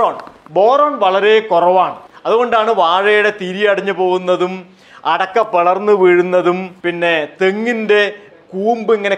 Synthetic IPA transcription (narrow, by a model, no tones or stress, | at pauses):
oːnbo̞ːroːɳʋɐɭɐɾe̞kurɐʋaːɳɨɐðuɣo̞ɳɖaːɳɨʋaːɻɐjuɽe̞t̪iɾijɐɐɽiɲːupo̞ːɣunːɐðum | ɐɽɐkːɐpːɐɭɐrnːɨʋiɻunːɐðumpinːe̞t̪eŋːinde̞ | kuːmbɨiŋːɐne